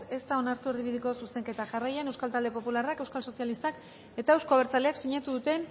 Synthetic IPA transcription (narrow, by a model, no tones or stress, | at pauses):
e̞st̪ao̞naɾt̪ueɾðiβiðiko̞suse̞ŋke̞t̪aʝarajenewskalt̪ald̪e̞po̞pularake̞wskalso̞sjalist̪ak | e̞t̪aewsko̞aβe̞ɾt͡saleaksiɲat̪uðut̪e̞n